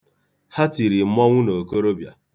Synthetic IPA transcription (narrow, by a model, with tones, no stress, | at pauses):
ha˦ti˨ɾi˨m̩˦mɔ˦ŋʷu˦no˨ko˦ɾo˦bja̰˨